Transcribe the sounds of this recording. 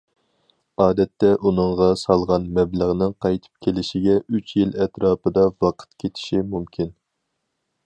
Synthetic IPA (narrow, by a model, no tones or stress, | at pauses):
ɑːd̪ɛt̪ʰːɛʔunɨŋʁɑsɑlˠʁɑnmɛbləʁnɨŋqʰɑjt̪ʰɨ̥p̚kʲʰelɪʃiɡʲɛyt͡ʃʰjilɛt̪ɾɑːpɨd̪ɑvɑqʰə̥t̪kʲʰet̪ʰɪ̥ʃimumkʲin